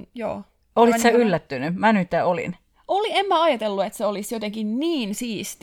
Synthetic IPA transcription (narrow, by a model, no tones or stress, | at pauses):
jo̰ː | olit̪seylːæt̪ːynymænyt̪ːæolḭn | ʔoliemːæɑjɑt̪elːuet̪seolisjot̪eŋkinniːnsiːst̪